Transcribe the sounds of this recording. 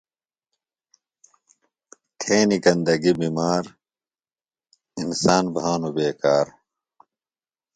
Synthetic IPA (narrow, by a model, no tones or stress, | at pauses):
t̪ʰeːnikɐnd̪ɐɡibimaːɾ | insaːnbaːnobeːkaːɾ